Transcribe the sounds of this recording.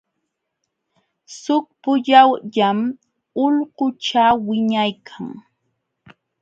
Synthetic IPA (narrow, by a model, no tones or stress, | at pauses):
sʊk̚pʊʎawʎam | ʊʎɢʊt͡ʃawɪɲajkʰaŋ